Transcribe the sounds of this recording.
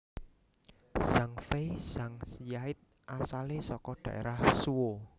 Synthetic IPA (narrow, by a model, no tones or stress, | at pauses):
z̥aŋfesaŋsijaɪt̪̚ | ʔasalesɔkɔɖ̪̥ä̤ʔḛɾahsuwo